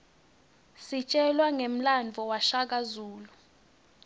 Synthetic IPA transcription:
sit͡ʃʼɛlwaŋem̩land͡vʱɔwaʃak̬ʼazuːlu

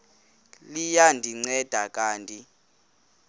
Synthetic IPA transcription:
lijandʱiŋ͡ǀɛd̥ʱak̬ʼaːntʼi

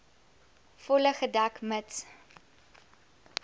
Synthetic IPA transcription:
fɔləχədakmət

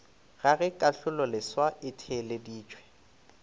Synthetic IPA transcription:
ɣaɣɛkʼaɬʊlɔlɪswaɪtʰɛlediːt͡ʃʰʼwɛ̥

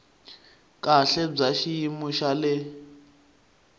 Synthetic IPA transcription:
kʼaɬɛb͡ʐaʃijimuʃalɪ

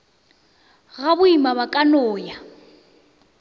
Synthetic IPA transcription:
ɣabʊimaβakʼanɔːja

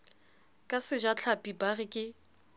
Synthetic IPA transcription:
kʼasɪd͡ʒat͡ɬʰapʼibarɪkʼɪ

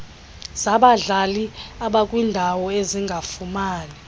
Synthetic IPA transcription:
zaɓaɮaliaɓakʼwiːndʱawɔeziŋɡʱafumaːnɛ

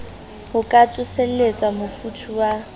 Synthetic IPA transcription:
hʊkʼat͡sʼʊselet͡sʼwamʊfutʰuwa

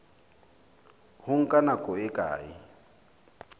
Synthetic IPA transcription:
hʊŋ̩kʼanakʼɔɪkʼa̰ːɪ

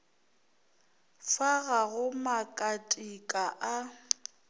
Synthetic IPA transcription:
faɣaɣʊmakʼatʼikʼaʔa

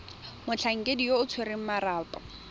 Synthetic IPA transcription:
mʊt͡ɬʰaŋ̩kʼedioʊt͡sʰweɾeŋ̩maraːpʼɔ

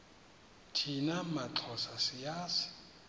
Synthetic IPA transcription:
tʰinamat͡ɬʰɔsasɪjaːsɪ̥

